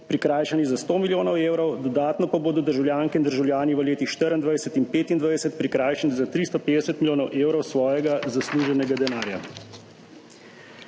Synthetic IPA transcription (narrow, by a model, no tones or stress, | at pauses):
pɾikɾaːjʃanizast̪oːmiljoːnɔweːwɾɔwd̪ɔd̪aːt̪nɔpaboːd̪ɔd̪əɾʒawljaːŋkɛind̪əɾʒawlʲjaːniʋəleːt̪ixʃt̪əɾənd̪ʋajsət̪inpeːt̪ind̪ʋajsɛt̪̚pɾikɾaːjʃɛnizat̪ɾist̪ɔped̪ɛsət̪milʲjoːnɔwʔeːwɾɔwsʋɔːjɛɡazasluːʒɛnɛɡad̪ɛnaːɾja̰